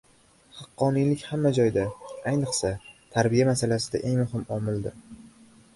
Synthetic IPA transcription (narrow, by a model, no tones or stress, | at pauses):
hɑqːɒnijlɪkʲhamːad͡ʒɒjd̪aajnɨqsat̪ʰaɾbijamasalasɪd̪a̰ʔe̞ŋmʊhɪmɒmɪld̪ɪɾ